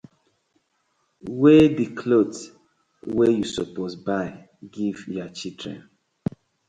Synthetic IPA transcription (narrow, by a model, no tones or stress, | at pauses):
wedikʰlot | wejusɔposbaɪ | ɡivjat͡ʃidɹɛ̰̃n